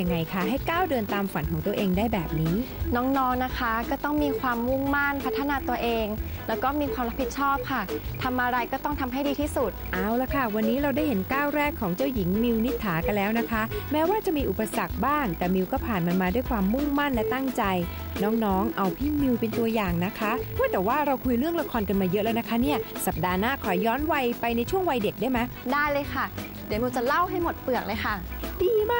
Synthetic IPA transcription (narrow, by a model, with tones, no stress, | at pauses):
a˧ŋːa˧jkʰa˥˩ɦa˥˩jkaː˥˩wdɤː˧nt̪aː˧mfa˩˦nkʰɔː˩˦ŋt̪u˧əʔeː˧ŋdaː˥˩jbɛː˨˩p̚niː˦˥nɔː˦˥ŋnɔː˦˥ŋna˦˥kʰa˦˥kɔː˥˩t̪ɔ˥˩ŋmiː˧kʰwaː˧mːu˥˩ŋma˥˩npʰa˦˥t̪ʰːa˧naː˧t̪u˧ɐʔeː˧ŋ | lɛː˦˥wkɔː˥˩miː˧kʰwaː˧mɾa˥pʰːi˨˩t̪̚t͡ɕʰɔː˥˩p̚kʰa˥˩t̪ʰa˧mʔa˧ɾa˧jkɔː˥˩t̪ɔ˥˩ŋt̪ʰa˧mɦa˥˩jdiː˧t̪ʰiː˥˩su˨˩t̪̚ʔaː˧˩wla˨˩kʰa˥˩wa˧nːiː˦˥ɾa˧wdaː˥˩jɦe˩˦nkaː˥˩wɾɛː˥˩kʰːɔː˩˦ŋt͡ɕa˥˩wji˩˦ŋmi˧wni˦˥t̪ʰːaː˩˦ka˧nlɛː˦˥wna˦˥kʰa˦˥mɛː˦˥waː˥˩t͡ɕa˨˩miː˧ʔu˨˩pːa˧sa˨˩k̚baː˥˩ŋt̪ɛː˨˩mi˧wkɔː˥˩pʰaː˨˩nma˧nmaː˧du˥˩jkʰwaː˧mːu˥˩ŋma˥˩nlɛ˦˥t̪a˥˩ŋt͡ɕa˧j | nɔː˦˥ŋnɔː˦˥ŋʔa˧wpʰiː˥˩mi˧wpe˧nt̪u˧ɐjaː˨˩ŋna˦˥kʰa˦˥u˥˩jt̪ɛː˨˩waː˥˩ɾa˧wkʰu˧jɾɯ˥˩əŋla˧kʰɔː˧nka˧nmaː˧jɤ˦˥lɛː˦˥na˦˥kʰa˦˥ni˥˩ɐsa˨˩p̚daː˧naː˥˩kʰɔː˨˩˦jːɔː˦˥nwa˧jpa˧jna˧jt͡ɕʰu˥˩əŋwa˧jde˨˩k̚u˥˩˨jma˦˥jdaː˥˩jlɤː˧jkʰa˥˩ | di˨˩˦mi˧wt͡ɕa˨˩la˥˩wɦa˥˩jmo˨˩t̪̚pɯ˨˩ək̚lɤː˧jxʰa˥˩diː˧maː˥˩